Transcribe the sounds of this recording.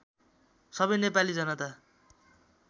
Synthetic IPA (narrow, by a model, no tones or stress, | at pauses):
sʌbʌjnepalid͡zʌnʌt̪a